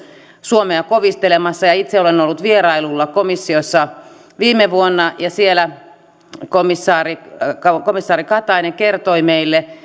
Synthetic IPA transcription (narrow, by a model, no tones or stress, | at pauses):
suomeɑkoʋist̪elemɑsːɑjɑit̪seolenolːut̪ʋierɑilulːɑkomisːiosːɑ | ʋiːmeʋuonːɑjɑsielæ | komisːɑːrikɑkomisːɑːrikɑt̪ɑineŋkert̪oimeilːe